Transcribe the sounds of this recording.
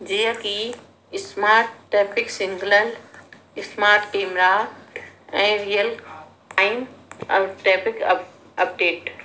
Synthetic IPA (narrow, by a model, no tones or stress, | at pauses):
d͡ʒiːəki | smaːɾʈːeːpɪksɪ̃ŋɡləl | ɪsmaːɾʈkeːmɾa | ɛ̃ːɾijəl | aɪnɐʈeːpɪk | ɐpɖeːʈ